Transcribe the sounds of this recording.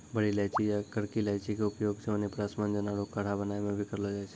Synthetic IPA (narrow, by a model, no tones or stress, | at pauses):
bəɽilajt͡ʃʰijakəɽkilajt͡ʃʰikeʊpjoɡt͡ʃʰeənepɾasmand͡ʒənaɾokəɽ̤abənajmẽbʱikəɾlod͡ʒajt͡ʃʰe